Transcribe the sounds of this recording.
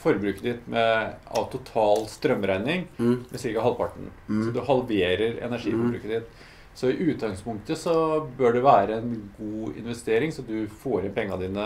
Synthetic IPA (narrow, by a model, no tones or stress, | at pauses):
fɔɾbɾʉːkəd̪ɪt̪mɛɑ̰t̪ʰʊt̪ʰɑːlst̪ɾœmːɾæɪnɪŋmɛsɪkɑhɑlpʰɑʈːɳ̩sɔd̪ʉhɑlʋeːɾəɾɛ̰næʂḭːfɔɾbɾʉ̰ːkəd̪ɪt̪ | sɔɪʔʉːt̪̚ɡɑŋspʊŋk̚t̪əsɔbøːɖɛʋæːɾəɛnɡuːɪ̰nʋɛst̪eːɾɪŋsɔd̪ʉfoːɾɪnpʰɛŋːɑd̪iːnə